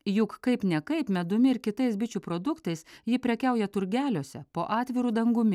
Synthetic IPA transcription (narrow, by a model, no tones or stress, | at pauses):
jʊkkɐɪpnʲɛkɐɪpmʲɛd̪ʊmʲɪɪɾkʲɪt̪ɐɪsbʲɪt͡ʃʲupɾod̪ʊkt̪ɐɪsjɪpʲɾʲɛkʲɛˑʊjɛt̪ʊɾʲɡʲæːlʲoːsʲɛpoːʔɑːt̪ʲʋʲɪɾud̪ɐŋɡʊmʲɪ